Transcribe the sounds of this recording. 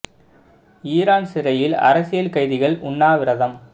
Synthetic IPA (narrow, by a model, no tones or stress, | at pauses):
iːɾaːnsɪɾɐjɪlɐ̰ɾɐsɪjɐlkɐɪðɪɣɐɭʔʊɳːaːʋɪɾɐðɐm